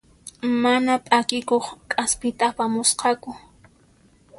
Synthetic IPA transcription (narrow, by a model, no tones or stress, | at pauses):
manapʼakɪkoχkʼaspɪt̪apamʊsqɑkʊ